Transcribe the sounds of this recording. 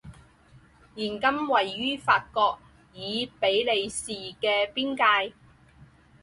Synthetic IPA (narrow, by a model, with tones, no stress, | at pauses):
jiː˨˩nkɐ˥mwɐ˨˩jːyː˥faː˧t̚kɔː˧k̚ | jiː˨˧pe˨˥jle˨˧jsiː˨˩kɛː˧piː˥nkaː˧j